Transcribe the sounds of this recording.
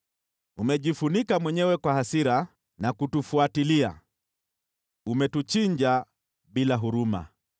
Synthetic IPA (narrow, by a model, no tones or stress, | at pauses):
umɛʄifunikamwɛɲɛwɛkwahasiɾa | nakutufuatilia̰ | umɛtut͡ʃiɲd͡ʒa | ɓilaɦuɾuma̰